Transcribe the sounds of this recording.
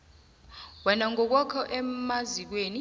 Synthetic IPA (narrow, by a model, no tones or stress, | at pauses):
wɛnaŋɔk̬wakʰɔʔɛmazik̬weːni